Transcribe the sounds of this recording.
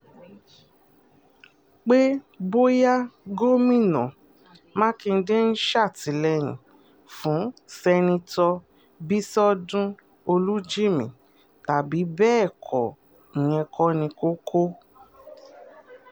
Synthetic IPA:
k͡pe˦ | bo˦ja˦ɡo˦mĩ˦˨nɔ̰̃˨ | mã˦kĩ˧n̩˦de˦n̩˦ʃa˦˨ti˨˦lɛ˧j̃ḭ̃˨ | fũ˨˦sɛ˧nĩ˧tɔ˧ | bi˦sɔ˦dũ˦ | o˧lu˦d͡ʒi˦mĩ˨ | ta˨bi˨˦bɛː˦˨kʰɔ˨ | ĩ˨ɲ̃ɛ̃˧kʰɔ˧˦nĩ˧ko˦kʰo˦

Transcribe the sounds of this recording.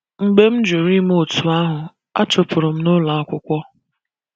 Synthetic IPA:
ŋ͡m̩˦ɡ͡be˦m̩˦d͡ʒu˨ɾi˦m˦o˦˨tu˨a˦ɦʊ˨ | a̰˦t͡ʃʊ˨pʰʊ˨ɾʊ˨m̩˦nʊ˦la˨a˦kʷʊ˦kʷɔ˦

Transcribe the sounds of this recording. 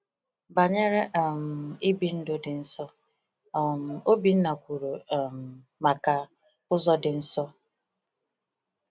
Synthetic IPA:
ba˨ɲe˦ɾe˦ʔm̩˨i˦bi˦n̩˦dʊ˦dɪ˨n̩˦sɔ˦˨ | m̩˨o˦bi˨n̩˦na˨kʷu˨ɾu˨m̩˨ | ma˨ka˨ | ʊ˦zɔ˦dɪ˨n̩˦sɔ˦

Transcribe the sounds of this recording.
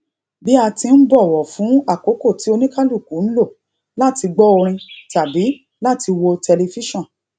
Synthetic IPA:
bi˦a˧tĩ˧n̩˦bɔ˦˨wɔ˨fũ˨˦a˦˨ko˨˦ko˦˨ti˨˦o˧nĩ˦ka˦lu˦˨ku˨˦ñ̩˦lo˦˨ | la˦˨ti˧ɡ͡bɔ˦o˧ɾ̃ĩ˧ta˨bi˨˦ | la˦˨ti˧wo˧tɛ˧le˧fi˦ʃɔ̃˦˨

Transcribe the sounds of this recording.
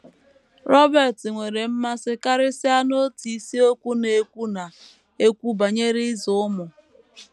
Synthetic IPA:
ɾɔ˦bɛ˨tɪ˨ŋʷe˨ɾe˨m̩˦ma˦sɪ˦ka˦ɾɪ˦sɪ˦a˦no˦ti˨i˦si˦o˦kʷu˦ne˨kʷu˦na˨ | e˦kʷu˦ba˨ɲe˦ɾi˦zʊ˨ʊ˦mʊ˨

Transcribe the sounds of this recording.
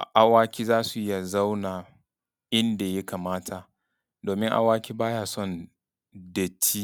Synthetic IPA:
ʔa˨waː˦kʲiː˦zaː˦su˨ʔɪ˦ja˨za˦wnaː˨ | ʔɪ˦nda˨ja˦ka˨maː˦tʰa˨ | doː˨mɪ˦ŋʔa̰˦waː˦kʲiː˦baː˦jaː˨sɔ˦˨n | dɐ˨t͡ʃːi˦

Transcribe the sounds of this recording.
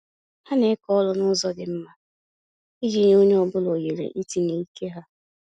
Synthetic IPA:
ha˦ne˦kɔ˦lʊ˦nʊ˦zɔ˦dɪ˨m̩˦ma˦ | i˦d͡ʒi˦ɲ˦o˦ɲe˦ɔ˦bʊ˦lo˨je˨ɾḛ˨ʔi˦ti˦ne˨i˦ke˦ɦa˦

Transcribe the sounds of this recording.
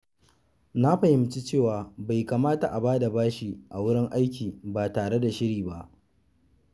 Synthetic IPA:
na˦ɸa˨hɪ˦mt͡ʃi˦t͡ʃeː˦˨waː˨ba˨jka˨maː˦ta˨ʔa˨baː˦da˨baː˦ʃi˦ʔa˨wʊ˦ɽɪ˦ŋʔa˦jk̬ʲiː˨ba˨taː˨ɽe˦da˨ʃɪ˦ɽiː˨ba˦ʔ

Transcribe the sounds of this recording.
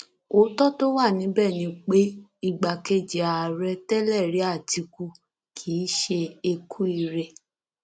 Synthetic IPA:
o˨˦tɔ˦to˦wa˦˨nĩ˨˧˦bɛ˦˨nĩ˧k͡pe˦i˦˨ɡ͡ba˨ke˦d͡ʒe˨a˨ɾɛ˧˦tɛ˦lɛ˦˨ɾi˨˦a˦˨ti˧ku˧˦ | kʰiː˨˦ʃe˧e˧kʰu˦i˦˧ɾe˧

